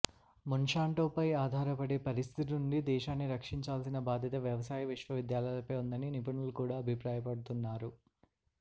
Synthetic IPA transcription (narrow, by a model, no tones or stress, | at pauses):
munʂaːɳʈoːpɐjaːd̪ʱaːɾɐpɐɽeːpɐɾist̪ʰit̪inuɳɖid̪ɛːʃaːnːiɾɐkʂiɲt͡ʃaːlsinɐbaːd̪ʱjɐt̪ɐʋjɐʋɐsaːjɐʋiʂʋɐʋid̪jaːlɐjlɐpɐjund̪ɐninipɐɳulukuːɽaːɐbʱipɾaːjɐpɐɽut̪unːaːɾu